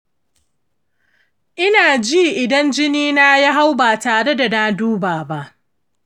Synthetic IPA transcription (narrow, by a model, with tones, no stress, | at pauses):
ʔɪ˦naː˨d͡ʒiː˦ʔɪ˨dɐ˦nd͡ʒɪ˦niː˦naː˦ja˦ɦa˦wbaː˨taː˨ɽe˦da˨na˦duː˦baː˨ba˦ʔ